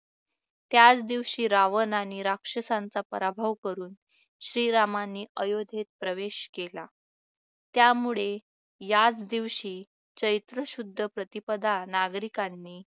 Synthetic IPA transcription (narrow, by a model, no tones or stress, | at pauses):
t̪jat͡sd̪iʋɕiːɾaʋənaniːɾakʂəsant͡sapəɾabʱaʋkəɾuːn | ɕɾiːɾamanːiːʔəjod̪ʱet̪̚pɾəʋeɕkela | t̪jamuɭe | jat͡sd̪iʋɕiː | t͡ɕəjt̪ɾəɕud̪ʱːəpɾət̪ipəd̪ʱanaɡɾikanːiː